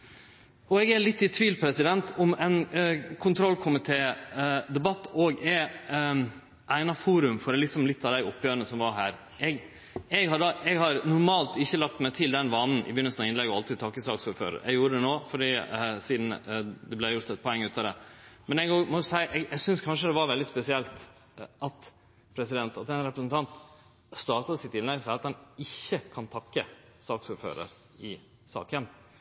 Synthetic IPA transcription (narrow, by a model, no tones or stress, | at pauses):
ɔɛɡælɪt̪ːɪt̪ʰʋiːlpʰɾɛsɪd̪ɛnt̪ɔmɛnkʰʊnt̪ʰɾɔlːkʰʊmɪt̪ʰeːd̪ɛbɑt̪ːoːɡɛ | ʔæɪnɑfuːɾʉmfɔɾlɪksɔmlɪt̪ːɑʋd̪æɪɔpʰːjøːɾənəsɔmʋɑɾɦæːɾ | ʔɛɡ | ɛɡhɑɖɑɛɡhɑɾnʊɾmɑːlt̪ɪçːəlɑk̚t̪mæɪt̪ʰɪld̪ɛnʋɑnːn̩ʔɪ̰bjʏnːəsənɑʋɪnlɛɡːɔɑlt̪ɪd̪̚t̪ʰɑːkəsɑ̰ːksɔɾfø̰ːɾə̰ɾɛ̰ɡjuːɾəd̪ɛnoːfɔɖiːsiːd̪nd̪ɛblæjʊɾt̪ɛt̪̚pʰɔɛŋːʉːt̪ɑd̪ɛmɛnɛɡomɔsæɪʔɛɡɛɡsʏnskʰɑnʂəd̪ɛʋɑɾʋɛld̪ɪspɛsɪɛlt̪ | ʔɑt̪ | pʰɾɛsɪd̪ɛnt̪ɑt̪ɛnɾɛpɾəsnt̪ʰɑnt̪ | st̪ɑːt̪ɑd̪əsɪt̪ːɪnlɛɡsæɪɑt̪hɛnɪçːəkʰɑnt̪ʰɑkːəsɑːksuɾfø̰ːɾə̰ɾ | ɪ | sɑ̰ːkən